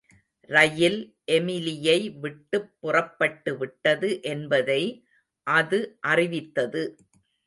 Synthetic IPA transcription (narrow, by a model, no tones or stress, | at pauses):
rɐjɪl | ʔɛmɪlɪjɐɪʋɪʈːɯpːʊrɐpːɐʈːɯʋɪʈːɐðɯʔɛnbɐðɐɪ | ʔɐðɯʔɐrɪʋɪt̪ːɐðɯ